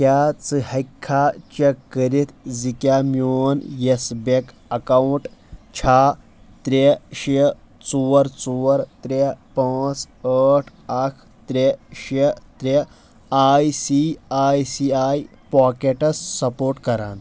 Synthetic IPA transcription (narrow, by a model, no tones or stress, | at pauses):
kjat͡sɨhɐkʰːat͡ɕekːəɾit̪d͡zikʲjamjonjesbek | ɐkawuɳʈt͡ɕʰa | t̪ɾeɕe | t͡suəɾt͡suʋəɾt̪ɾepat͡s | əʈʰ | akʰ | t̪ɾeɕet̪ɾe | ajsiajsiaj | pɔkeʈəsːɐpoɾʈkɐɾã̰n